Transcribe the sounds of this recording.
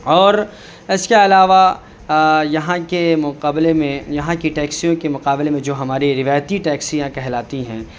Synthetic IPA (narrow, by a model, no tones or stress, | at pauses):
ɔːɾ | ɪskeɐlaːʋa | jɐɦãkemʊqaːblemẽjɐɦãkiʈɛːksijõkemʊqaːblemẽd͡ʒoːɦɐmaːɾiɾɪʋaːjt̪iʈɛːksijãkɛɦlaːt̪iɦɛ̰̃ː